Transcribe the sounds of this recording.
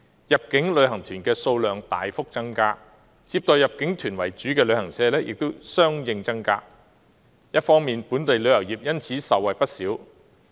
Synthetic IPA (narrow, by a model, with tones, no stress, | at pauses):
jɐ˨˩p̚kɪ˨˥ŋlɵ˨˧ɥɦɐ˨˩ŋt̪ʰyː˨˩nkɛː˧so˧wlœː˨ŋt̪a̰ː˨jfʊ˥k̚t͡sɐ˥ŋkaː˧ | t͡siː˧p̚t̪ɔː˨˧jɐ˨p̚kɪ˨˥ŋt̪ʰyː˨˩nwɐ˨˩jt͡ʃyː˨˥kɛː˧lɵ˨˧ɥhɐ˨˩ŋsɛː˧lɛː˥jʔɪ˨k̚t̪o˥wsœː˥ŋjɪ˧ŋt͡sɐ˥ŋka̰ː˧ | jɐ˥t̚fɔː˥ŋmiː˨npuː˨˥nt̪e˨jlɵ˨˧ɥjɐ˨˩wjiː˨p̚jɐ˥nt͡sʰiː˨˥sɐ˨˩wːɐ˨jpɐ˥t̚siː˨˥w